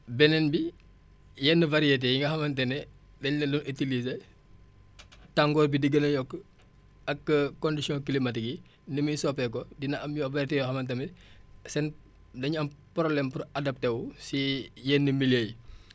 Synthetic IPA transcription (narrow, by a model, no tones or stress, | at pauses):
bɛnɛnbi | jɛːnːəvɐɾiet̬ejiŋɡɐhɐmɐntɛnɛ | dɐɲlɐlunʔitilize | taŋɡɔːrbidiɡənɐjɔkː | ɐkːəkɔndisjɔ̃kilimɐtiɡi | nimijsɔpɛkɔdinɐʔɐmjɔvɐɾetɛjɔhɐmɐnt̬ɐmɛsɛn | dɐɲɐmpɾɔblɛmpuɾɐdɐp̚tɛwusijɛːnːəmilej